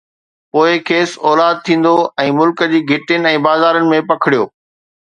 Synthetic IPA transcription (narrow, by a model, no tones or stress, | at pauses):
poːɪkʰeːsɔːlaːd̪̚t̪ʰĩːn̆d̪oɛ̃ːmʊlkəd͡ʑiːɡʱɪʈjənɪ̆ɛ̃ːbaːzaːɾənɪ̆mẽpɐkʰɪɽijoː